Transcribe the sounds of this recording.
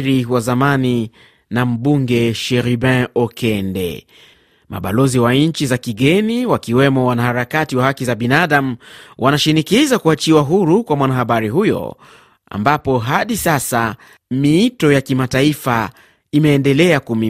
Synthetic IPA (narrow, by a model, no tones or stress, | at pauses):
ɾiwazamani | nam̩ɓuŋɡɛʃɛɾibɛ̃ɔkʰɛndɛ̰ | ma̰ɓa̰lɔziwaɲ̩t͡ʃizakiɠɛniwakiwɛmɔwanahaɾakatiwahakizaɓinaaɗam̩wʔanaʃinikizakuat͡ʃiwaɦuɾukwamwanahaɓaɾiɦujɔ̰ | a̰mbapɔɦaɗisasa | miitɔjakimataifa | imɛːndɛlɛakumi